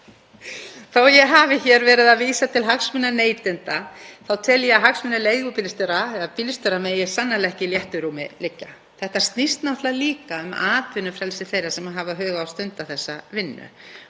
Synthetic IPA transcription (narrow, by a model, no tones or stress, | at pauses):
θawjɛɣɦaːvɪçɛɾvɛːɾɪðaviːsat̪ʰɪlɦaksmʏnːaneːjt̪ɪnt̪aθawt̪ʰɛljɛaɦaksmɪnːʏleːjɣʏpilst̪ʏɾaɛapilst̪ʏɾamɛːjɪ̥sanːalɛhcɪljɛht̪ʏɾuːmɪ̰lɪcːa | θɛht̪ast̪nist̪naht̪laliːkaʏmaːt̪vʏnːʏfɾɛlsɪθejɾasɛmaɦavaɦœːɣaawst̪ʏnt̪aθɛsːavɪnːʏ̰